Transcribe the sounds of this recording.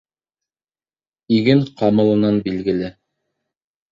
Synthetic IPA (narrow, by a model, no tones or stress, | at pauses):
iɡɘŋqɑmɤ̆lˠɤ̆nɑnbilɡɘ̆lɘ